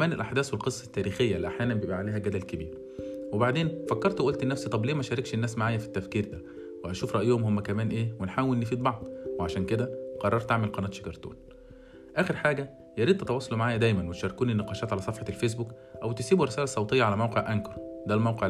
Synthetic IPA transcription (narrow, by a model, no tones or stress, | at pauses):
mæːnelʔaħd̪æːswelqesˤːɑt̪ːæːɾiːxejːælːiʔaħjæːnæmbejebʔæaʕaleːhæɡæd̪ælkebḭːɾ | webaʕd̪eːnfækːɑɾˤt̪weʔolt̪ʔenːæfsit̪ˤɑbleːmæʃæːɾɑkʃenːæːsmaʕaːjæfi̥t̪ːæfkiːɾd̪æ | weʔæʃuːfɾˤɑʔjohomhomːækæmæːnʔeːwenħaːwelʔnːefiːd̪̚bɑʕd̪ˤweʕaʃæːnked̪æqɑrˤːɑɾˤt̪aʕmelqɑnæːt̪ʃe̥kɑɾˤt̪ṵːn | ʔæːxeɾħaːɡæ | jɑɾiːd̪̚ʔ̪ɑt̪ɑwɑːsˤɑlumaʕaːjæd̪æjmænwet̪ʃɑɾˤːekuːnenːeqɑːʃæːt̪ʕalæsˤɑfħɑlfes̬buk | ʔæwt̪esiːbuɾesæːlæsˤɑwt̪ejːɑʕalæmæwqeʕʔænkɑɾˤɑd̪æːlmæwqeʕ